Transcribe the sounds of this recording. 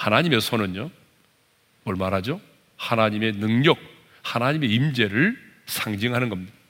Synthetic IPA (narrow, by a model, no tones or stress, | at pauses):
hanaɲime̞sʰonɯnjo | mwʌɭmaɾɦad͡ʑo | hanaɲime̞nɯŋɲʌk̚ | hanaɲime̞imd͡ʑe̞ɾɯɭ | sʰaŋd͡ʑiŋɦanɯnɡʌmɲida